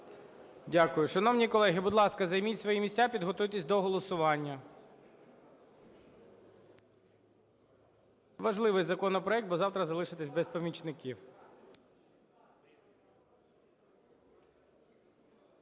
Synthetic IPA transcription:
dʲakʊjʊʃɐnɔwnʲikɔlˠɛɦɪbʊd̪lˠɑskɐzɐjmʲitʲsʋɔjimʲisʲtʲapʲid̪ɦɔt̪ɔjt̪ʲɪsʲd̪ɔɦɔlˠɔsʊʋɑnʲːɐ | ʋɐʒlˠɪʋɪjzɐkɔnɔpɾɔɛk̚t̪̚bɔzɑwt̪ɾɐzɐlˠɪʃɪt̪ɪsʲbɛspɐmʲit͡ʃnɪkʲiw

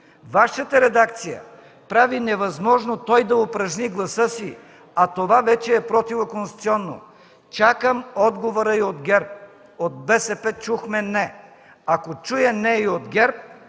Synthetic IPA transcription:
vaʃət̪əɾɛd̪akt̪sijə̰ | pɾavinɛvɐzmɔʒnot̪ɔjd̪ɐopɾɐʒniɡlˠɐsɤsi | at̪ovavɛt͡ʃɛːpɾɔt̪ivokonst̪u̥t̪siɔnːo̰ | t͡ʃakəmɔd̪ɡovoɾəiod̪ɡʲɛɾp̚ | od̪̚bɛsɛpɛt͡ʃuxmɛnɛ | akot͡ʃujɛnɛiod̪ɡʲɛɾp̚

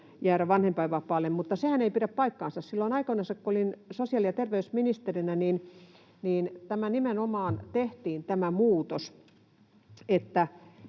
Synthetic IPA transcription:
jæːɾæʋɑnhempɑiʋɑpɑːlːemmut̪ːɑsehæneipiɾæppɑikːɑːnsɑssilːoinɑikoinɑsɑkkoolinsosiɑˑlijɑt̪erʋeysminist̪erinæniːn | niːnt̪æmænimenomɑːnt̪eht̪iːnt̪æmæmuːt̪os | et̪ːæ

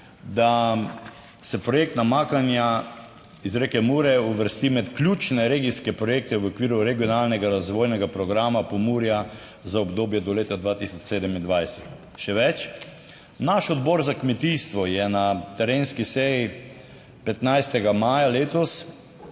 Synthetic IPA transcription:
d̪a | sɛpɾɔjek̚t̪namaːkanja | izɾekɛmuːɾɛuʋəɾst̪imɛt̪klʲuːt͡ʃnɛɾeɡiskɛpɾɔjeːk̚t̪ɛʋokʋiːɾuɾɛɡijɔnalnɛɡaɾazʋoːjnɛɡapɾɔɡɾaːmapɔmuːɾja | zaɔbd̪oːbjɛd̪ɔleːt̪ad̪ʋaːt̪isɔt͡ʃseːd̪ɛmind̪ʋajsɛt̪ | ʃɛʋɛt͡ʃ | naʃɔd̪bɔːɾzakmɛt̪iːst̪ʋɔjɛnat̪ɛɾeːnskisɛji | pɛt̪najst̪ɛɡamaːjaleːt̪ɔs

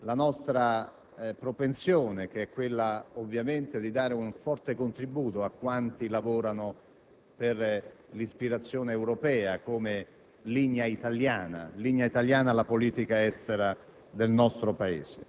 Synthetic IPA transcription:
lanɔst̪ɾa | pɾopensjoːnek̟eɛkːwelːaovːjament̪ed̪id̪aːɾeuɱfɔrt̪ekont̪ɾibuːt̪oakːwant̪ilavoːɾano | per | lispiɾat̪sːjoːneːwɾopɛːakoːme | liɲːait̪aljaːna̰liɲːait̪aljaːnaːlapoliːt̪ikaɛst̪eɾa | d̪elnɔst̪ɾopaḛːse

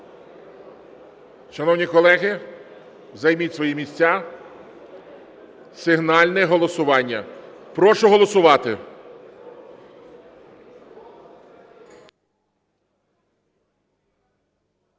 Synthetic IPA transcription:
ʃɐnɔwnʲikɔlˠɛɦɪ | wzɐjmitʲsʋɔjimʲisʲt͡sʲa | sɪɦnɑlʲnɛɦɔlˠɔsʊʋɑnʲːɐpɾɔʃʊɦɔlˠɔsʊʋɑt̪ɪ

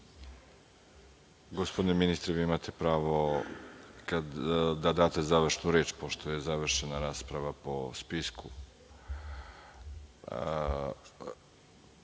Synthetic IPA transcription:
ɡospod̪ineminist̪ɾeʋiːimat̪ʰe̞pɾaːʋo̞ | kad̪d̪ad̪aːt̪e̞zaʋr̩ʃnuɾe̞ːt͡ʃpo̞ʃt̪o̞je̞zaʋr̩ʃenaɾaːspɾaʋapo̞spisku

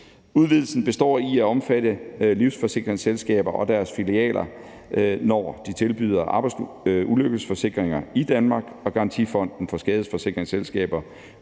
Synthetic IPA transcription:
uðˠʋið̞ˠl̩sn̩b̥e̝sd̥ɒ̰ːiæɒ̽mfæɾ̥əliʊsfɒ̽se̝ɡ̥ʁeŋselsɡ̥ɛ̰ːb̥ɐʔɒ̽d̥æɐsfiliɛ̰ːlʔɐ | nɒ̰ːd̥it͡sʰe̝lb̥y̰ːðˠɐʔɑ̈b̥ɑɪs | uløɡ̥əsfɒ̽se̝ɡ̥ʁeŋɐid̥ænmɑ̈ːɡ̥ɒ̽ɡ̥ɑ̈ʁɑnt͡sʰḭfɒ̽n̰d̥n̩fɒ̽sɡ̥ɛːð̞ˠəfɒ̽se̝ɡ̥ʁeŋselsɡ̥ɛ̰ːb̥ɐ

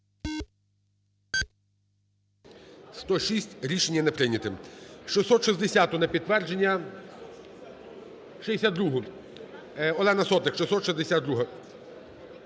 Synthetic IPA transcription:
st̪ɔʃisʲtʲɾʲiʃenʲjɐnepɾɪnʲɐt̪ɪmʃɪsɔt̪ʃɪzd̪esʲat̪ʊnɐpʲid̪̚t̪ːʋɛrd͡ʒenʲːɐ | ʃɪesʲat̪ːɾuɦʊ | ɔlˠɛnɐsɔt̪ɪkʃɪsɔt̪ʃɪzd̪esʲad̪d̪ɾuɦɐ

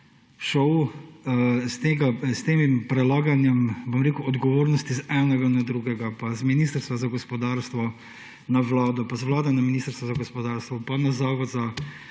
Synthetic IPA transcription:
ʃɔw | st̪eɡast̪eːmimpɾɛlaːɡanjɛmbɔmɾeːkuɔd̪ɡɔʋoːɾnɔst̪izɛnɛɡanad̪ɾuɡɛɡapazminiːst̪əɾst̪ʋazaɡɔspɔd̪aːɾst̪ʋɔ | naʋlaːd̪ɔpazʋlaːd̪ɔnaminiːst̪əɾst̪ʋazaɡɔspɔd̪aːɾst̪ʋɔpanazaːʋɔza

